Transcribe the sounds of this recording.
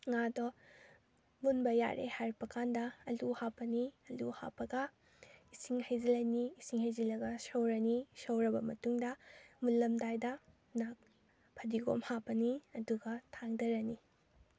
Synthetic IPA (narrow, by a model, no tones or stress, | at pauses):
ŋadɔ | munbɐja̰ɾʔḛhaɾpɐkʰandɐːluhapːɐniɐlṵha̰pːɐɡɐ | isiŋhɐjzɐlɐjniːsiŋhɐjzilɐɡɐsɐwɾɐnisɐwɾɐbɐmɐtuŋdɐmulːɐmdajdɐ | nak̚ | pʰɐdiɡo̰mhapɐniɐduɡɐtʰaŋdɐɾɐni